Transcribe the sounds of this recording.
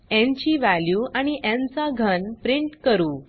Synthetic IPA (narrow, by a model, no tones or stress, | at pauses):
ɛ̃ɲt͡ɕiːʋæljuːaɽ̃iʔãnt͡saɡʱənpɾiɳʈkəɾuː